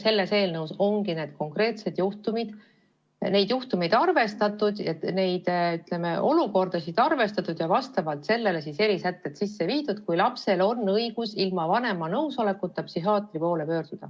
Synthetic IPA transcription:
se̞lːe̞se̞ːlnɤwso̞ŋɡine̞ːd̪̥̚ko̞ŋkre̞ːt̪se̞d̪̥juht̪umid̪̥ | ne̞jd̪̥juht̪umid̪̥ɑrve̞st̪ɑt̪ːˑud̪̥jɑne̞jd̪̥yt̪le̞me̞ʔo̞luko̞rd̪̥ɑsid̪̥ɑrve̞st̪ɑt̪ːˑud̪̥jɑvɑst̪ɑvɑlt̪se̞lːe̞le̞sise̞ɾisæt̪ːˑet̪sisːe̞viːd̪̥ud̪̥kujlɑpse̞lo̞nːɤiɡ̥usilmɑvɑne̞mɑnɤwso̞le̞kːut̪ːɑpsiɦɑːt̪ˑripo̞ːle̞pø̞ːrd̪̥ud̪̥ɑ

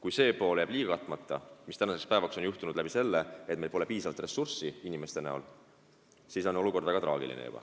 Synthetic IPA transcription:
kujse̞ːpo̞ːljæːb̥liːɡɑkɑt̪ːˑmɑt̪ːˑɑmist̪ænɑse̞kspæe̞vɑkso̞njuht̪unud̪̥læb̥ise̞lːeet̪̚melpo̞le̞piːsɑvɑlt̪re̞sursiinʲime̞st̪e̞næ̰o̰l | siso̞no̞luko̞rd̪væɡɑt̪rɑ̰ːɡ̥ḭlḭnḛjṵb̥ɑ̰

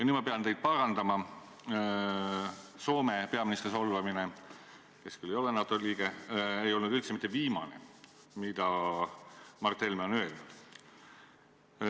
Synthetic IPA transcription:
jɑny̥ːmɑpe̞ɑnt̪e̞jd̪̥̚pɑɾɑnd̪̥ɑmɑ | so̞ːme̞pe̞ɑminist̪riso̞lvɑmine | ke̞skylːe̞jo̞lenɑt̪ːˑoliːɡ̥e̞ejo̞lnud̪̥ylt̪semit̪ːˑeviːmɑnḛ | mid̪ɑ | mɑrt̪ːe̞lmeo̞nø̞ːlnud̪̥

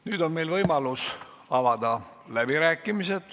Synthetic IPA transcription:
nyːd̪̥o̞nme̞jlvɤjmɑlus | ɑvɑd̪ɑ | læb̥iɾæːkːˑimise̞d̪̥

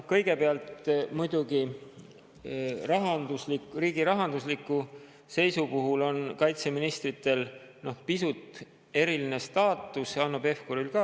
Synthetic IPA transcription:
nohkɤjɡe̞peɑlt̪mujd̪̥uɡi | rɑɦɑnd̪uslikriːɡiɾɑɦɑnd̪uslikːˑu | se̞jsupuɦulo̞nkɑjt̪se̞minist̪rit̪ːˑe̞lno̞hpisut̪ˑ | e̞ɾiline̞st̪ɑːt̪ːˑusjɑɑnːub̥e̞fkoɾilkɑ

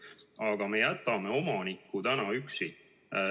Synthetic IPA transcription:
ɑɡ̥ɑme̞jæt̪ːˑɑme̞o̞mɑnikːut̪ænɑyksi

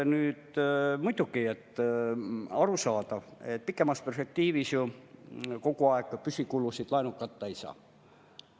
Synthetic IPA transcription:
nyːt̪mujd̪̥ukiet̪ː | ɑɾusɑːt̪ɑvet̪̚pikːˑe̞mɑsperspe̞k̚t̪iːvisju | ko̞kuɑekˑpysʲikulːusid̪̥lɑenukːˑɑt̪ːɑeisɑ̰ː

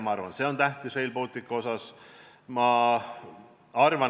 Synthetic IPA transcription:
mɑɑɾvɑnse̞o̞nt̪æht̪isve̞jlpolt̪ˑikːɑo̞sɑs | mɑ | ɑrvɑ

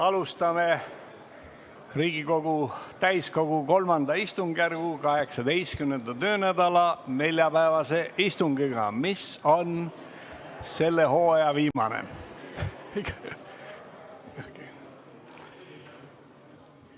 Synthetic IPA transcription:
ɑlust̪ɑme | riːɡiko̞ɡ̥ut̪æjsko̞ɡuko̞lmɑnd̪̥ɑist̪uŋɡjærɡ̥ukɑɦe̞ksɑd̪e̞jskymnend̪̥ɑt̪ø̞ːnæd̪̥ɑlɑne̞lʲjɑpæevɑse̞ʔist̪uŋɡiɡ̥ɑ̰miso̞n | se̞lːe̞ho̞ːjɑviːmɑ̰nḛ

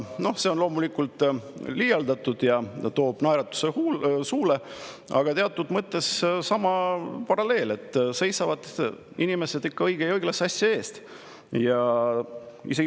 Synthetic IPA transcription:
no̞hse̞o̞nlo̞ːmulikːult̪ˑliːjɑld̪ɑt̪ːˑud̪̥jɑt̪o̞ːb̥nɑjɾɑt̪ːˑu̥sehusuːle | ɑ̰ɡ̥ɑt̪e̞ɑt̪ːˑud̪̥mɤt̪ːe̞ssɑmɑpɑɾɑle̞ːle̞t̪ːˑse̞jsɑvɑd̪̥ | inime̞se̞d̪ikːɑɤjɡ̥ejɤjɡ̥lɑsɑsʲjɑe̞ːst̪ | jɑ | ḭse̞ɡ

